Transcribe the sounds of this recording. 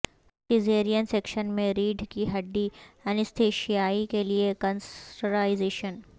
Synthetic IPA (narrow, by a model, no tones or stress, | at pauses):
ʈɪzeːɾijənsekʃənmẽɾiːɖʱkiɦɐɖ̪ːiɛnɪst̪ʰeːʃijaːikeliekə̃nsʈəɾaːɪzeːʃən